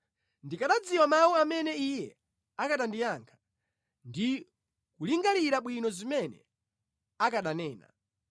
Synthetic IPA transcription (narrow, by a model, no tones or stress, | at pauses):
ndikaɗad͡ziwamawuamɛnɛijɛ | akaɗandijaŋkʰḁ | ndi | kuliŋɡaliɾaɓwinɔzimɛnɛ̰ | akaɗanɛːna̰